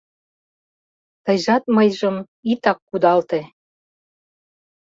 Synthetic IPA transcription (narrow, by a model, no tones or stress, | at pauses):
t̪əjʒɑt̪̚məjʒəm | it̪ɑkːud̪ɑlt̪e